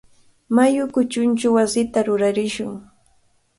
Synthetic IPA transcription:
majʊkʊt͡ʃʊnt͡ʃʊwasɪt̪aɾʊɾaɾɪʃʊŋ

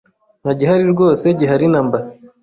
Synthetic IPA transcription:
naɟiɦaɾiɾɡo̞ːse̞ɟiɦaɾinamba

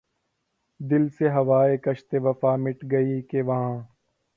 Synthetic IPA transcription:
d̪ɪlseɦɐʋaːekɐʃt̪eʋɐfaːmɪʈɡɐiːkeʋɐɦãː

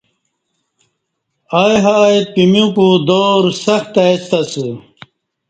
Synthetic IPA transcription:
aːjɦaːet̪̚pimjũkud̪oːɾsɐxt̪ast̪ɐsɨ

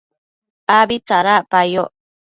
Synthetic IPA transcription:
abit͡saɾapajo

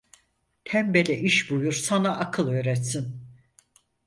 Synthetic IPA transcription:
t̪ʰæmbelʲɛʔiʃbujuɾsanaʔːkʰɯlˠø̞ːɾɛt̪sin

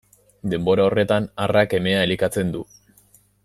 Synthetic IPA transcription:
d̪e̞mbo̞ɾao̞re̞t̪anarake̞me̞ae̞likat͡se̞nd̪u

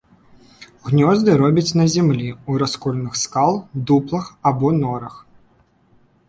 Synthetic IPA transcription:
ɣnʲɔzd̪ɨɾɔbʲɐt͡sʲnɐzʲɛmlʲiuɾaskɔlʲnɨxskalˠd̪uplˠɐxabɔnɔɾɐx

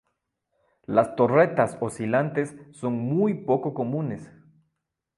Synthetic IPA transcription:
last̪o̞re̞t̪asosilant̪e̞sːo̞ŋmujpo̞ko̞ko̞mũnes

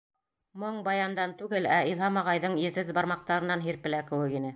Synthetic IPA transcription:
moɴbɑjɑnd̪ɑnt̪ʉɡɘlæilˠɦɑmɑʁɑjðɤɴjɘ̆ðɘðbɑɾmɑq̚t̪ɑɾɤ̆nːɑnɦiɾpɘ̆lækɘ̆wɘkinɘ

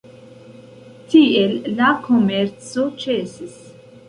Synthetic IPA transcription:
tielːakʰomeɾt͡so̞t͡ʃesis

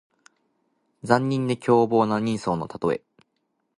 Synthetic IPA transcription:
d͡zãɲ̟ːĩnd̪e̞kʲʰo̞ːbo̞ːnaɲ̟ĩɰ̃so̞ːno̞t̪at̪o̞e̞̰

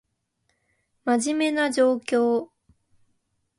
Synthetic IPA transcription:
maʑime̞nad͡ʑo̞ːkʲo̞ː

